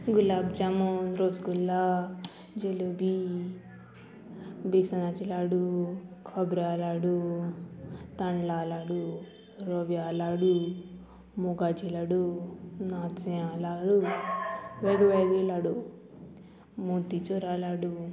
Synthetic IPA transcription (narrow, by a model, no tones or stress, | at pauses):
ɡulaːbd͡ʒamonɾoːsɡulːa | d͡ʒelobi | bisanat͡ʃilaɽukʰɔbɾalaɽu | t̪ɐɳɖlaːlaɽu | ɾoʋjalaɽu | muɡat͡ʃilaɽunaːt͡sjãlaɽu | ʋeɡʋeɡilaɽu | mut̪it͡ʃoɾalaɽu